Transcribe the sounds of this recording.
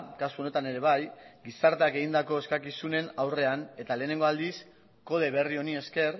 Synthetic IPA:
kasuo̞ne̞t̪ane̞ɾe̞β̞ajɡisaɾt̪eake̞ɣind̪ako̞eskakisune̞nawre̞ane̞t̪ale̞ːne̞ŋɡo̞ald̪is | ko̞ð̞e̞βe̞rio̞nie̞ske̞r

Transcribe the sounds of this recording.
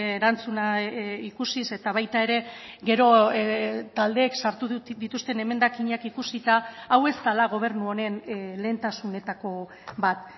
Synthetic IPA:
eɾant͡sunaikusise̞t̪aβajt̪ae̞ɾe̞ɡe̞ɾo̞ | t̪ald̪e̞ːksaɾt̪uðit̪ust̪e̞ne̞me̞nd̪akiɲakikusit̪aːwe̞st̪alaɣ̞o̞β̞e̞ɾnuo̞ne̞nle̞ːnt̪asune̞t̪ako̞ | bat̪

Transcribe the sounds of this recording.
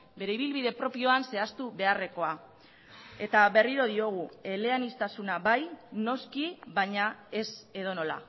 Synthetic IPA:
be̞ɾe̞iβ̞ilβiðe̞pɾo̞pio̞anse̞ast̪uβe̞are̞ko̞a | e̞t̪aβe̞riɾo̞ðio̞ɣ̞ue̞le̞anist̪asunaβajno̞skiβaɲae̞se̞ðo̞no̞la̰

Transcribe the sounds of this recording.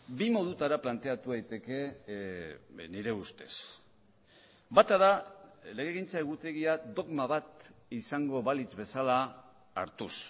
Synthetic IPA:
bimo̞ð̞ut̪aɾaplant̪e̞at̪uðajt̪e̞ke̞ | niɾe̞ust̪e̞s | bat̪aðale̞ɣ̞eɣint͡saeɣut̪e̞ɣiad̪o̞ɣmaβat̪isaŋɡo̞βalit͡sβe̞salaː | ɾt̪us

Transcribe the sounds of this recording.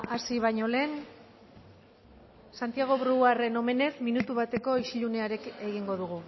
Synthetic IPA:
asiβ̞aɲo̞le̞ːn | sant̪iaɣ̞o̞βɾuare̞no̞me̞ne̞sminut̪uβat̪e̞ko̞isiʎune̞aɾeke̞ɣiŋɡo̞ðuɣ̞u

